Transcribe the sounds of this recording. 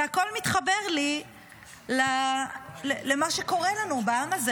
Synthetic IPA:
ako̞lmit̪χabe̞ʁli | la | lelemaʃeko̞ʁelanubaamaze

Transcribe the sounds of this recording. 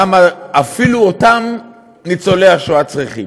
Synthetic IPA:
amaafiluotam | nit͡soleaχʃoatt͡sʁiχḭm

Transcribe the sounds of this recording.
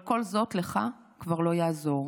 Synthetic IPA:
ko̞lzo̞tleχa | kvaʁlo̞jaːzo̞ʁ

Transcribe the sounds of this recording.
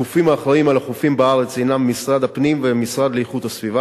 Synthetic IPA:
ufimaːχʁaimalaχufimbaaʁe̞t͡sejnamːisʁad̪apnimvemisʁad̪lejχut̪asviva

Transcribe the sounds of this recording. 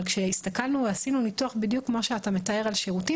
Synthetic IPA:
lkʃeistakalnuveasinunituaχbidjukmoʃeatame̞tae̞ʁalʃeʁuti

